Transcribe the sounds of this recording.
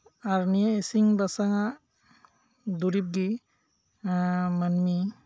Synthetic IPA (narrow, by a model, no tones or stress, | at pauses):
aɾnijaesiŋbasaŋaʔ | d̪uɾip̚ɡi | amanmi